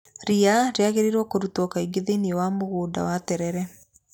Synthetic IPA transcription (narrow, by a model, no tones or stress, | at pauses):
ɾiaɾeaɣeɾeɾwɔkoɾutwɔkaiɡeðeniɔwamoɣoːda̰watɛɾɛɾɛ